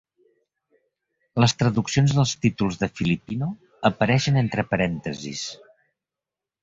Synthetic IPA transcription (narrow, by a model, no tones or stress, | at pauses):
ləst̪ɾəðuksionzðəlˠst̪it̪ulˠzðəfilipinu | əpəɾɛʃənent̪ɾəpəɾɛnt̪əzḭs